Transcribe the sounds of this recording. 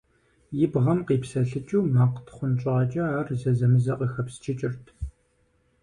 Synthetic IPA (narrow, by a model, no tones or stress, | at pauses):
jɪbʁɐmqiːpsɐɬɨt͡ʃʼuːmaːqtʰχʷʊnt͡ʃʼaːt͡ʃʼɐaːrzɐzɐmɨzɐqəxɐpst͡ʃʰɪt͡ʃʼɪrtʰ